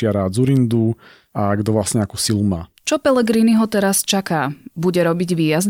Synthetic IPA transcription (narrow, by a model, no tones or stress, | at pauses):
ɪaɾad͡zuɾind̪u | aːɡd̪ɔʋlasɲɛakusiluma̰ː | t͡ʃɔpɛlɛɡɾiːniɦɔt̪ɛɾast͡ʃakaːbuɟɛɾɔbiɟʋiːjaz